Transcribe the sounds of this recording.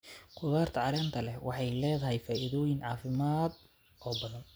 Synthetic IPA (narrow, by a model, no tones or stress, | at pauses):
qʊðaːrt̪ʰɐʕɑɾɛːnt̪ʰɐlɛwɑħɑjlɛːðɐɦɛjfaːʔiðɔːjɪnʕɑːfɪmaːd̪ | ʔɔːbɐðɐn